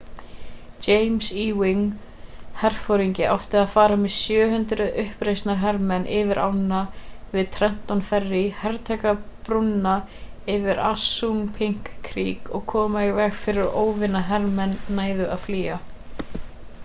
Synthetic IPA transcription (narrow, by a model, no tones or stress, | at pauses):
t͡ʃejmsiːwɪŋ | hɛr̥fowɾiɲcɪʔa̰wht̪ɪaðfaːɾamɛðsjœːɦʏnt̪ɾʏʔʏhpɾejst̪naɾɦɛɾmɛnʔɪvɪɾʔa̰wnːavɪðt̪ʰɾɛm̥t̪awnfɛrːɪhɛɾt̪ʰɛkapɾunːa | ɪvɪɾa̰sːuŋpʰɪŋ̥kʰːɾiːkɔɣkʰɔːmaivɛɣfɪɾɪɾɾoːwvɪnaɦɛɾmɛnːaːjðʏʔaðfliːa